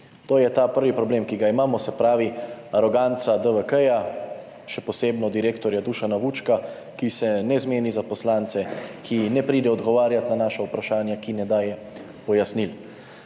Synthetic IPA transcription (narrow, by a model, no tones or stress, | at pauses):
t̪oːjɛt̪aːpəɾʋipɾɔbleːmkiɡaimaːmɔsɛpɾaːʋiaɾɔɡaːnt̪sad̪əʋəkəja | ʃɛpɔseːbnɔd̪iɾeːkt̪ɔɾjad̪uːʃanaʋut͡ʃka | kisɛnɛzmeːnizapɔslaːnt̪sɛkʰinɛpɾiːd̪ɛɔd̪ɡɔʋaːɾjat̪nanaːʃaupɾaʃaːnjakinɛd̪aːjɛ | pɔjasnil